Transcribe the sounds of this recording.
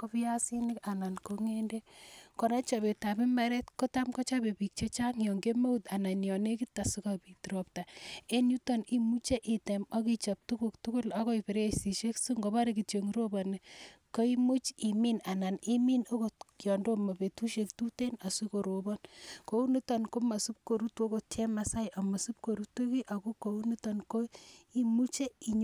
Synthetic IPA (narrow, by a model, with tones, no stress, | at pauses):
ko˦pi˦ja˦si˦nɪ˦ka˨na˨nko˦ŋe˦nde˦kɔ˨na˦t͡ʃabe˨ta˨pi˦maɾe˦tko˦ta˦mkɔ˦t͡ʃa˦be˨pi˨k̚t͡ʃe˦t͡ʃa˦ŋjɔ˨ŋɡe˦me˦u˦ta˨na˨njɔ˨ne˦ki˦ta˨su˦kapi˨ti˨ɾop̚ta˨e˦nju˦tɔ˦ni˦mu˦t͡ʃe˦ʔi˨temɔ˦ki˦t͡ʃa˨p̚tu˦ku˨ktu˦kʊ˦la˦kɔ˦i˨pe˨ɾeesi˨ʃe˦ksu˦ŋɡoba˦ɾe˨ki˨te˨ŋɾo˦ba˨ne˨ko˦i˦mu˦t͡ʃi˨mi˦na˨na˨ni˦mi˦no˦kojɔ˨ndo˦ma˨pe˨tu˦ʃektu˦te˦na˨sukoɾo˨bɔnko˦u˦ni˦tanko˦ma˨su˦p̚ko˨ɾuto˦ko˨tɛ˦masa˦jʔa˨ma˨su˦p̚ko˨ɾu˦to˦ki˦ʔa˨ko˦ko˨u˦ni˦tɔnko˦i˦mu˦t͡ʃe˦i˨ɲ